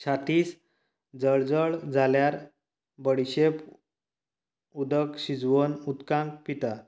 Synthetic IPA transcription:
t͡ɕʰat̪iːs | d͡zəɭd͡zəɭd͡zʱaljaɾ | bəɽiɕep | ud̪əkɕid͡zʋonut̪kãŋk̚pit̪a

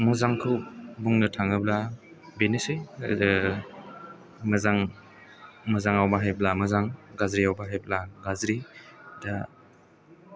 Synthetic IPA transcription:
muzaŋkʰɯwbuŋnɐtʰaŋɯbla | benesɯj | mɐzaŋ | mɐzaŋawbaɦajblamɐzaŋɡazɾiawbaɦajblaɡazɾida

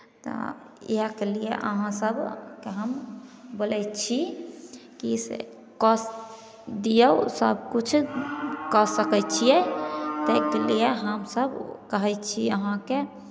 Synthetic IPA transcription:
t̪ɔ̰ | jkelijḛʔə̰ɦãsəbkeɦəmbolɛjt͡ʃʰi | kisḛ | kɔs | d̪ijəsəbʱkut͡ʃʰ | kɔsəkɛt͡ʃʰijɛt̪ɛkelijeɦəmsəbkəɦɛjt͡ʃʰiəɦãke

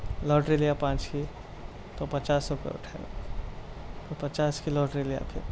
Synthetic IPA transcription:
lɔːʈɾeːlijapãːt͡ʃkʰi | t̪opɐt͡ʃaːsokḛʊ̰ʈʰa | t̪opɐt͡ʃaːskilɔːʈɾelija̰pʰɪ̰ɾ

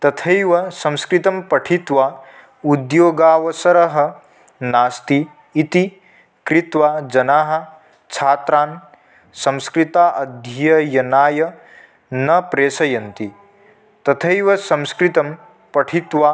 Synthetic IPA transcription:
t̪ɐt̪ʰɐjʋɐsɐ̃mskɾit̪ɐmpɐʈʰit̪ʋa | ud̪joːɡaːʋɐsɐɾɐɦɐ̆ | naːst̪iː | t̪i | kɾɪt̪ʋad͡ʒɐnaːɦɐ̆ | t͡ʃʰaːt̪ɾaːn | sɐ̃mskɾit̪aːʔɐd̪ʱjɐjɐjɐnaːjɐ | nɐpɾeːsɐjɐnt̪i | t̪ɐt̪ʰɐjʋɐsɐ̃mskɾit̪ɐm | pɐʈʰit̪ʋaː

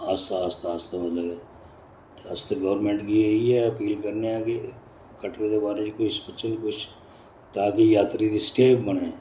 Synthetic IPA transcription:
aːst̪aaːst̪aːst̪amɐd̪ləɡɛː | t̪ɐst̪aɡɐʋɾmẽɳʈkieiɦɛɐpiːlkɐɾneaːɡe | kɐʈɾed̪ebaːɾed͡ʒikʊspɐt͡ʃʰənkʊt͡ʃʰ | t̪aːkejaːt̪ɾid̪isʈeːpbɐɽ̃ẽː

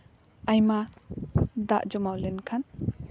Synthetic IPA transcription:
ajma | d̪aʔd͡ʒɔmawlenkʰan

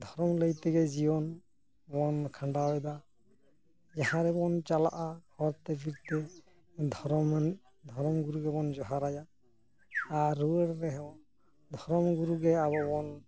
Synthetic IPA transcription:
d̪ʱɔɾɔmləjt̪ɛɡɛzibɔn | bɔnkʰaɳɖabɛd̪a | d͡ʒahãɾɛbɔnt͡ʃala̰ʔahɔɾt̪ɛpʰiɾt̪ɛ | d̪ʱɔɾɔm | d̪ʱɔɾɔmɡuɾuɡɛbɔnd͡ʒɔɦaɾajaː | ɾuɾɾɛɦɛɔ | d̪ʱɔɾɔmɡuɾuɡɛaβɔbɔn

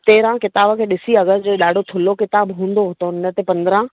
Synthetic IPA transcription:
t̪eːɾãkɪt̪aːbəkʰeːɗɪsiɐɡəzd͡ʑeɗaːɖʱot̪ʰʊlokɪt̪aːbɦũːn̆d̪oɦʊt̪oɪnə̆t̪epɐ̃nd̪əɾã

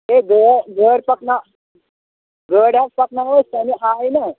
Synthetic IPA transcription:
ɦeɡʱəɾɡʱəɽpəkna | ɡʱəɽjak̚pəknaʋəst̪aniʔajna

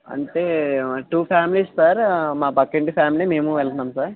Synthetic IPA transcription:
ɐ̰ɳʈeːʈuːpʰaːmiliːsːaːɾmaːpɐkːeɳʈipʰaːmiliːme̞ːmuʋɛlɐnaːmsaːɾ

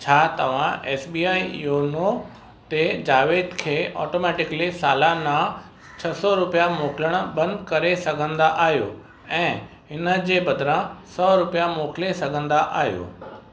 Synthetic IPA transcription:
t͡ɕʰaːt̪ɐʋ̤ãʔɛːsbiːaːijoːno | t̪ed͡ʑaːʋeːd̪kʰeːʔɔːʈoːmɛːʈɪkəlisaːlanã | t͡ɕʰɐsɔɾʊpijamoːkləɽ̃̆bɐ̃nd̪kɐɾesɐɡʱə̃nd̪aʔaːɦjo̰ː | ɛ̃ːɦɪnə̆d͡ʑeːbɐd̪ʱɾãsɔːɾʊpijamoːkʰɪlesɐɡʱə̃nd̪aʔa̰ːɦijo̰ː

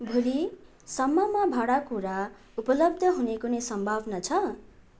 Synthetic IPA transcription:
bʱuli | sʌmːʌmabʱaɽakuɾa | upʌlʌb̚d̪ʱʌɦunekunesʌmbʱabnʌt͡sʰʌ

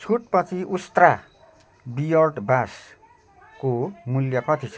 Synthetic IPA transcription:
t͡sʰuʈ̚pʌt͡sʰiʔust̪ra | bijʌrʈbas | komuljʌpʌt͡sʰit͡sʰ

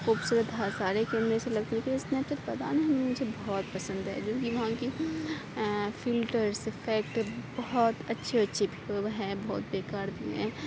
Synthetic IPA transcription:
xuːbsuːɾət̪ɦasaːɾekeɐmɾeselɐɡ̚t̪eɛkeiɪsneɐb̚t̪ət̪pɐt̪a̰neɦɐmemʊd͡ʒʱebɔɦɔːt̪̚pɐsə̃nd̪ɦɛ̰d͡ʒõːkiʋɐɦãki | fɪlʈəɾsɪfʰɛːk̚ʈbɔɦɔt̪ɐtːʃʰeɐtːʃʰebʱiɦɛ̃bɔːt̪̚beːkaːɾt̪iɦɛ̰̃ː

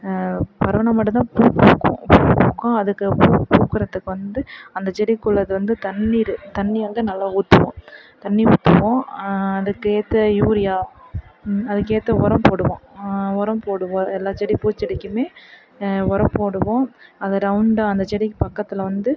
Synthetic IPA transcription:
pɐɾɐʋɐnɐmɐʈːɐt̪̬ãːpuːpːuːkːõ̰puːpːuːkːõːɐðɯkːɯpuːkuːkːɯɾɐt̪ːɯkːɯʋɐnd̪ɯɐnd̪ɐt͡ʃɛɽɪkːʊɭːɐðɯʋɐnd̪ɯt̪ɐnːiːɾɯt̪ɐnːiʋɐnd̪ɯnɐlːaːuːt̪ːɯʋõ̰ːt̪ɐnːiuːt̪ːɯʋõːɐðɯkːɯeːt̪ːɐjuːɾɪjaː | ɐðɯkːeːt̪ːɐɔɾɐmpoːɽɯʋõ̰ɔɾɐmpoːɽɯʋõːɛlːaːt͡ʃɛɽipuːt͡ʃːɛɽɪkʲːɯmeː | ɔɾɐpoːɽɯʋõːɐðɐɾɐʊɳɖãɐnd̪ɐt͡ʃɛɽɪkːɯpɐkːɐt̪ːɪlʋɐnd̪ɯ

